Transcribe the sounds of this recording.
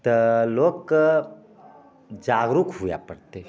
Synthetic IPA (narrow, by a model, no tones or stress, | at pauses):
t̪əloːk | d͡ʒaːɡɾukʰɦʊja̰pɐɽt̪eɦ